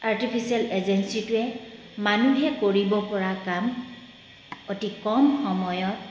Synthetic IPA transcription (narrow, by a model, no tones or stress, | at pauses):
aɹtipʰisialezɛnsitʊɛ | manuɦɛkoɹibɔpɔɹakam | otikɔmxɔmɔjɔt̚